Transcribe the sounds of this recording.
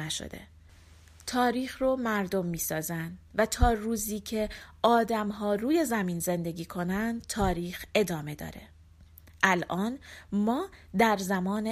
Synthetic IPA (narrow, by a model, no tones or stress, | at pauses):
æʃo̰d̪ḛ | t̪ʰɒːɾiːxromæɾd̪o̞mːiːsɒːzænd̪væt̪ʰɒːɾuːziːcʰe̞ɒːd̪æmɦɒːruːje̞zæmiːnze̞nd̪e̞ɡiːkʰo̞nænd̪t̪ʰɒːɾiːxe̞d̪ɒːme̞d̪ɒ̰ːɾe̞̰ | ʔælʔɒːnmɒːd̪æɾzæmɒːne